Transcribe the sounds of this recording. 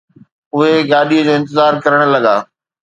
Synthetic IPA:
ʊɦeɡaːɗiəd͡ʑoːɪ̃nt̪ɪzaːɾkɐɾəɽ̃lɐɡa̰ː

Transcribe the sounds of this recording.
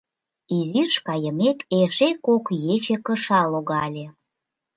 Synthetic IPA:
izirʃkɑjəmekeʃekokjet͡ɕekəʃɑloɣɑlʲe

